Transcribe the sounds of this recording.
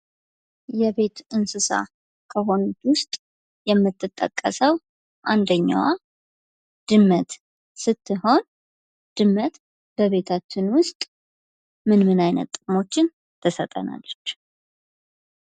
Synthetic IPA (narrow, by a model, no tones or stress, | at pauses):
jɛβe̞t̪ɨnsɨsa̰ | kʰəɦo̞nut̪wʊst̪ʼ | jɛmːɨt̪ʰʼːɨt̪ʼːə̰kʼːəsəw | ʔand̪əɲːa̰wa | d̪̥ɨmːət̪ | sɨt̪ʰːɨho̞n | d̪̥ɨmːət̪ | b̥əβe̞t̪ʰat͡ʃːɪnwʊst̪ʼ | mɨnmɨnajnə̰t̪ʼːɨkʼmo̞t͡ʃːɪn | t̪ʰəsət̪ʼəna̰lːət͡ʃː